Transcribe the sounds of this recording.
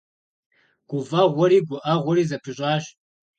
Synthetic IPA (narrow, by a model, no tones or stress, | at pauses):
ɡ̥ʷʊvaːʁʷɔɾiːɡʷʊʔaʁʷɔɾiːzɐpʰɨɕʼaːɕ